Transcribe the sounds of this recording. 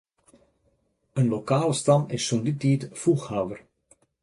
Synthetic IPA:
ənlokaːləstɑmɪsːɔnditiːtfuxhaːwər

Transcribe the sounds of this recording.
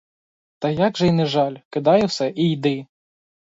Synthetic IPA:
t̪ɐjaɡʐɐjnɪʐalʲkɪd̪ajɛwsɛʔijd̪ɪ

